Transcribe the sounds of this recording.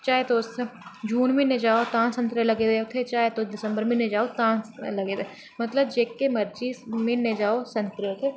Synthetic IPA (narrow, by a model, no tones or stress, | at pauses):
t͡ʃaːɦet̪oːsʰd͡ʒuːnmẽned͡ʒaːot̪ãːnsɐ̃nt̪ɾəlɐɡed̪eot̪ʰet͡ʃaːet̪od̪ɪsə̃mbəɾmẽnẽd͡ʒaːot̪ãːlɐɡet̪e | mɐt̪ləbd͡ʒeːkːemɐɾd͡ʒimẽned͡ʒaːosɐ̃nt̪ɾəot̪ʰe